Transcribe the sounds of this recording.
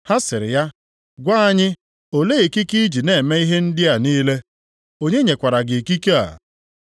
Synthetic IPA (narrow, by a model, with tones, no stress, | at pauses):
ha˦sɪ˨ɾɪ˨ja˦ | ɡʷa˦a˦ɲɪ˦ | o˦le˦e˨ki˦ki˦d͡ʒi˨ne˨me˦i˦ɦe˦n̩˦dɪ˦a˨niː˦le˦ | o˦ɲe˦ɲe˨kʷa˨ɾa˨ɡɪ˨ki˦ke˦a̰˨